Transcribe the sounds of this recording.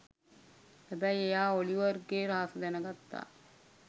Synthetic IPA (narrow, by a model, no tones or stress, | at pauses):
t̪æbæjejaːoliʋɐrɡeːɾaːsɐd̪ænɐɡɐt̪ːa̰ː